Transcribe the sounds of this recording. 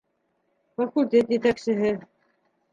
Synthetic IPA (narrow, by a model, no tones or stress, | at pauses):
fɐkulʲt̪ʲet̪jet̪æksɘ̆ɦɘ